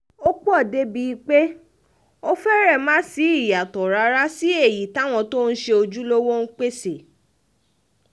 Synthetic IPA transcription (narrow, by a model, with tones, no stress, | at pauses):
o˦k͡pu˦ɔ˦˨de˦bi˧i˧k͡pe˦ | o˦fɛ˦ɾɛ˦˨mãː˦si˨˦i˦˨ja˨tɔ˨ɾa˧ɾa˦si˦e˦˨ji˨ta˨˦w̃ɔ̃˧to˦n̩˦ʃe˧o˧d͡ʒu˦lo˦wo˦n̩˦k͡pe˦se˨